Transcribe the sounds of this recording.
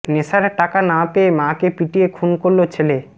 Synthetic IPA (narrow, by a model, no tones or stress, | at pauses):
nesaɾʈakanãpeemãkepiʈiekʰunkoɾlot͡ɕʰele